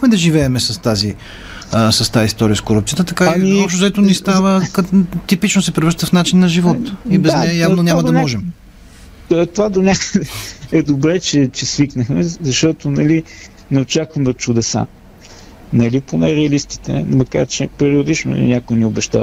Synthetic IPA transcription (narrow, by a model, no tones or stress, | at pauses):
xmɛd̪ɐʒivɛɛmɛsɐst̪azi | sɐst̪aist̪ɔɾiəskoɾup̚t̪sijət̪ət̪ɐkaiiɔpʃt̪ozɛt̪ʊnist̪avəkt̪ipit͡ʃnosɛpɾʲɛvɾʃt̪əfnat͡ʃinːɐʒivɔt̪ibɛznɛjavnonʲamɐd̪ɐmɔʒɛm | t̪ovad̪onʲakəd̪ɛɛd̪obɾɛt͡ʃɛt͡ʃɛsviknəxmɛzɐʃt̪ɔt̪onɐli | nɛot͡ʃakvɐmɛot̪t͡ʃʊd̪ɛsa̰ | nɐliponɛɾɛɐlist̪i̥t̪ɛ̰mɐka̰ɾt͡ʃɛpɛɾiod̪it͡ʃnʊ̰ḭnʲakojniobɛʃt̪a̰v